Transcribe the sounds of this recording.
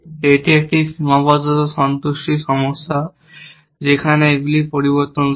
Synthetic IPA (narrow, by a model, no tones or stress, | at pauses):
eʈiek̚ʈimɔbɔd͡ʒɔt̪ɔsɔnt̪uʃʈisɔmɔsːa | zekʰaneeɡulipoɾibɔɾt̪ɔn